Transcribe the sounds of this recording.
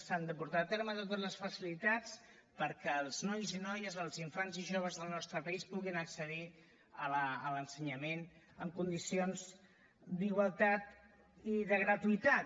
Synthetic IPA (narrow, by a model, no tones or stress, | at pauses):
sand̪əpuɾt̪aːt̪eɾmət̪ot̪əzləsfəsilit̪at͡s | pəɾkɛlˠznɔjzinɔjəzəlˠziɱfanziʒoβ̞əzðəlˠnɔst̪ɾəpəispuɣinəksəði | ələələnsəɲəmen | əmkund̪isionz | d̪iɣwəlˠt̪at̪ | iðəɣɾət̪uit̪a